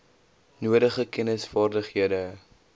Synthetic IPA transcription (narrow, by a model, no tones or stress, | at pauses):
nuəɾəχəkɛnəsfɑːrdəχɦiədə